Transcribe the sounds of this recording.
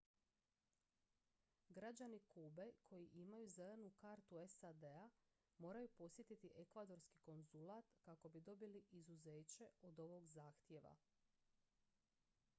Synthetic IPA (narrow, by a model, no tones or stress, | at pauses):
ɡɾad͡ʑanikuːbe̞kʰo̞jiʔimajuze̞le̞nukaɾt̪ue̞sad̪e̞a | mo̞ːɾajupo̞sje̞t̪it̪iʔekʋad̪o̞ɾskiko̞nzulaːt̪kako̞bid̪o̞biliʔizuze̞ːt͡ɕe̞o̞d̪o̞ʋo̞ɡzaːxt̪je̞ʋa̰